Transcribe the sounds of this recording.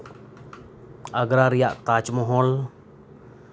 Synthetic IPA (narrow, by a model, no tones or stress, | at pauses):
əɡɾaɾijaʔt̪at͡ʃmɔɦɔl